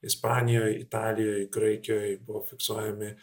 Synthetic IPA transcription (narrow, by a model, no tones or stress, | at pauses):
ɪspɑːnʲɪjoːjɪt̪ɑːlʲɪjoːjɡɾɐɪkʲɪjoːjbʊʋofʲɪksuɔjɛmʲɪ